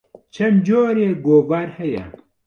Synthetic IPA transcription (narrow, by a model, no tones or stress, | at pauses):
t͡ʃʰɐmd͡ʒoːɾeːɡoːvaɾhɛjɛ̰